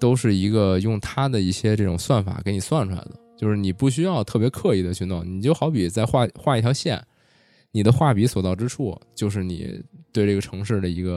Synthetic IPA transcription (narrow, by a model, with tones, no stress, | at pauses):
t̪o˥ʊʂɻ̩˥˩i˧˥ɡə˧jʊ˥˩ŋt̪ʰa˥d̪ə˨i˥˩ɕjɛ˥ʈ͡ʂɤ˥˩ʈ͡ʂʊ˨˩ŋswa˥˩nfa̰˨˩ke˧˥ɪni˨˩swa˥˩nʈ͡ʂʰu˧˥la̰˧˥ɪd̪ə˩t͡ɕjo˥˧ʊʂɻ̩˥˩ni˨˩pu˥˩ɕ̬y˥jɑ˥˧ʊt̪ʰɤ˥˩p̬jɛ˧˥kʰɤ˥˧i˥˩d̪ə˩t͡ɕʰy˥˧nʊ˥˩ŋni˨˩t͡ɕjo˥˩ʊxɑ˧˥ʊpi˨˩t͡sa˥˧ɪxwa˥˧xwa˥˧i˥˩t̪ʰjɑ˧˥ʊɕjɛ̰˥˩n | ni˨˩d̪ə˦xwa˥˩pi˧˥swɔ˨˩t̪ɑ˥˩ʊʈ͡ʂɻ̩˥ʈ͡ʂʰu˥˩t͡ɕjo˥˧ʊʂ̬ɻ̩˥˩nḭ˨˩t̪we˥˧ɪʈ͡ʂɤ˥˩ɡə˩ʈ͡ʂʰɤ˧˥ŋʂɻ̩˥˩d̪ə˩i˧˥ɡə˧